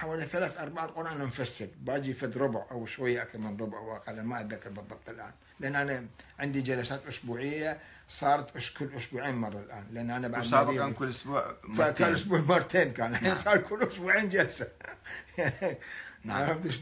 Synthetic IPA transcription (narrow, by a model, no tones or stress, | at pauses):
ħawaːliθalaːθʔɑɾˤbaʕalqʼʊɾʔanamfasːɪɾbaːd͡ʒifad̪ɾˤʊbʕʔawʃwajːaʔakθɑɾˤmɪnɾˤʊbʕwʔaqalamaʔat̪ðakːɑɾˤbɨðˤːɑb̚t̪ˤɪlʔa̰ːn | lɪʔanːʔanaʕɪnd̪id͡ʒalasaːt̪ʔʊsbuːʕɪjːa | sˤɑːɾˤɑt̪ʔʊskʊlːʔʊsbuːʕiːnmɑrˤːɑlʔaːnlɪʔanːʔanabaʕd̪maːaːnkʊlːʔʊsbuːʕkakalʔʊsbuːʕmɑrˤːt̪eːnkaːnaħinsˤɑːɾˤkʰʊlːʔʊsbuːʕiːnd͡ʒalsa | naʕɾˤafd̪uʃ